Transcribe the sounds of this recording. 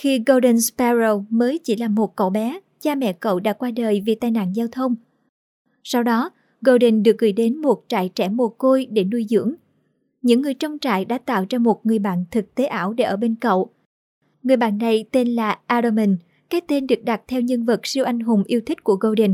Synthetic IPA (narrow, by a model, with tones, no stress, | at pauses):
xi˧ɣo˧ɗə˧nspɛ˧zo˧wməː˨˦jt͡ɕi˧˩laː˨˩mo˨˩t̚kə̰˧˨wɓɛ˨˦ | t͡ɕaː˧mɛ̰˧˨kə̰˧˨wɗa̰ː˧˥kwaː˧ɗəː˨˩jvi˨˩t̪aː˧˨jna̰ː˧˨nzaː˧wt̪ʰə˧wŋ͡m | sa˧wɗɔ˨˦ | ɣo˧ɗi˨˩nɗɨ˨˩ək̚ɣɨ̰˧˩jɗe˨˦nmo˨˩t̚t͡ɕa̰ː˧˨jt͡ɕɛ˧˩mo˨˩əko˧jɗe˧˩nu˧əjzɨ̰˧˥əŋ | ɲɨ̰˧˥ŋːɨ˨˩əjt͡ɕə˧wŋ͡mt͡ɕa̰ː˧˨jɗa̰ː˧˥t̪a̰ː˧˨wt͡ɕa˧mo˨˩t̚ŋɨ˨˩əjɓa̰ː˧˨nt̪ʰɨ˨˩k̚t̪e˨˦ʔaː˧˩wɗe˧˩ʔəː˧˩ɓe˧nkə̰˧˨w | ŋɨ˨˩əjɓa̰ː˧˨nːa˨˩jt̪e˧nlaː˨˩ʔaː˧ɗə˧mi˨˩n | kaː˦˥k̚t̪e˧nɗɨ˨˩ək̚ɗa˨˩t̚t̪ʰɛ˧wɲɨ˧nvə˨˩t̚si˧əwʔa˧jŋ̟ɦʊ˨˩ŋ͡mʔi˧əwt̪ʰï˦˥k̟̚ku˧˩əɣo˧ɗə˨˩n